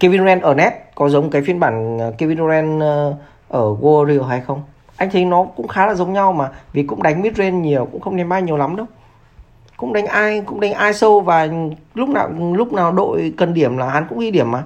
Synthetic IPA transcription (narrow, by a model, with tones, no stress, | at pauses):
ki˧vi˧n˧wɛ˧nʔəː˧˩nɛ˦˥t̚kɔ˨˦zə˨˦ŋ͡mm˨˩kaː˨˦jfi˧nɓaː˧˩n˨˩ki˧vi˧n˧ɛ˧nː | ʔəː˧˩ɣo˧zi˧ə˧ha˧jxə˧wŋ͡m | ʔa˧jŋ̟t̪ʰə˨˦jnɔ˨˦kʊ̰˧˥ŋ͡mxaː˨˦laː˨˩zə˨˦ŋ͡mɲa˧wmaː˨˩vi˨˩kʊ̰˧˥ŋ͡mɗa˨˦jŋ̟mi˦˥t̚ze˧nɲi˨˩əwkʊ̰˧˥ŋ͡mxə˧wŋ͡mɗɛ˨˦mɓaː˧ɲi˨˩əwla˨˦mɗə˧w | kʊ̰˧˥ŋ͡mɗa˨˦jŋ̟ʔaː˧jkʊ̰˧˥ŋ͡mɗa˨˦jŋ̟ʔaː˧jsə˧wvaː˨˩lʊ˦˥k͡p̚na̰ː˨˩wlʊ˦˥k͡p̚naː˨˩wɗo̰˧˨jkə˨˩nɗi˧˩əmlaː˨˩ha˨˦nkʊ̰˧˥ŋ͡mɗi˧ɗi˧˩əmːʔaː˨˩